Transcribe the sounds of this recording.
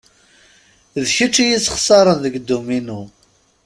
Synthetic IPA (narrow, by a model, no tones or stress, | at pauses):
ðçət͡ʃːijisə̥χsˤɑɾˤənðəɡd̪ːuminu